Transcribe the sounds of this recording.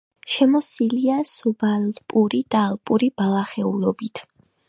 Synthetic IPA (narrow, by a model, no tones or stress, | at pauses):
ʃɛmɔsiliasubalpʼuɾid̪̥aːlˠpʼuɾib̥alˠaχɛulɔbit̪ʰ